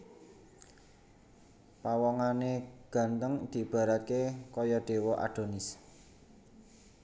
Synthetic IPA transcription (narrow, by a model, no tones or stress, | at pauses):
pawɔŋaneɡ̥a̤nt̪əŋd̪̥i̤b̥a̤ɾat̪̚kekɔjɔɖ̪̥e̤wɔʔa̰ɖ̥o̤nɪs